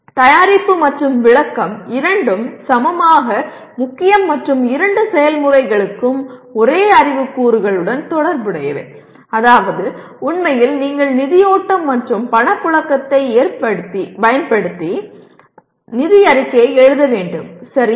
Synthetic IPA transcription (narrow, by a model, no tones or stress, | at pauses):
t̪ɐjaːɾɪpːɯmɐʈrɯmʋɪɭɐkːɐmɪɾɐɳɖɯmsɐmɐmaːɣɐ | mʊkːɪjɐmːɐʈrɯmɪɾɐɳɖɯsɛjɐlmʊrɐɪɣɐɭɯkːɯmɔɾeːɐrɪʋɯkːuːɾɯɣɐɭɯɽɐnt̪ɔɽɐɾbɯɽɐjɐʋḛː | ɐðaːʋɐðɯ | ʊɳmɐjɪlniːŋɡɐɭnɪðɪjoːʈːɐmːɐʈrɯmpɐɳɐpːɯɭɐkːɐt̪ːɐɪeːɾpɐɽt̪ːipɐjɐnpɐɽɯt̪ːi | nɪðɪjɐɾɪkːɐjɐɪɛɻɯðɐʋeːɳɖɯmsɐɾi